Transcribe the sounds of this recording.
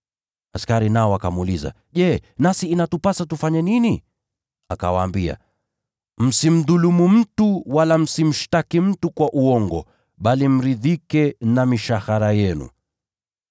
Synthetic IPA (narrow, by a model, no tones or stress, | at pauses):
askaɾinaɔwakamuːliza̰ | ʄɛnasiːnatupasatufaɲɛnini | akawaːmbia̰ | m̩sim̩ðulumum̩tuwalam̩sim̩ʃtakim̩tukwaʔuɔŋɡɔ | ɓalim̩ɾiðikɛnamiʃahaɾajɛnṵ